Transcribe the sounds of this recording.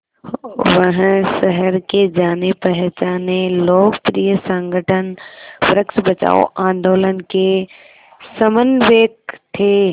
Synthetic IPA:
ʋəɦsɐɦəɾked͡ʒaːnepɛɦt͡ʃaːneloːkpɾijəsə̃ŋɡəʈʰənpɾəksbɐt͡ʃa̰ːo̰ʔãːnd̪oːlənke | sɐmənʋeːk̚t̪ʰeː

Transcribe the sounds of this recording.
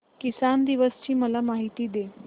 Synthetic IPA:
kisand̪iʋəst͡ɕiːməlamaɦit̪iːd̪e

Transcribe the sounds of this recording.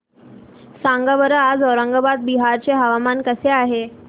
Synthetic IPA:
sãŋɡəʋəɾəad͡zɔɾəŋɡəbad̪̚biɦaɾt͡seɦəʋamankəseaɦe

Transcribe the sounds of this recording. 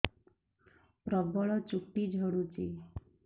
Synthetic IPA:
pɾɔbɔɭɔt͡ɕukʈid͡ʒʱəɽut͡ɕḭ

